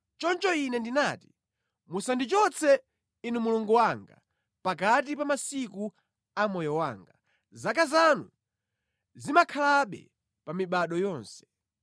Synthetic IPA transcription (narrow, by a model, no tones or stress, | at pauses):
t͡ʃɔnt͡ʃɔinɛndinaːti̥ | musandit͡ʃɔt͡sʰɛ | inumuluŋɡuwaŋɡa | pakatipamasiku | amɔjɔwa̰ːŋɡa | zakazanu | zimakʰalaɓɛ̰ | pamiɓaɗɔjɔːnsɛ̥